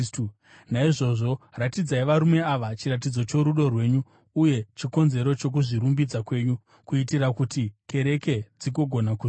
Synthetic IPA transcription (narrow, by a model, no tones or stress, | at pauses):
naiʐo̞ʐo̞ratid͡zaiʋaɾume̞aʋat͡ʃirat̬id͡zo̞t͡ʃo̞ɾuɗo̞rwe̞ːɲuː | je̞t͡ʃiko̞nze̞ɾo̞t͡ʃo̞k̬uʐiɾumbid͡zakwe̞ːɲu | kuitiɾakutikʰe̞ɾe̞ke̞d͡ziɡo̞ɡʱo̞naku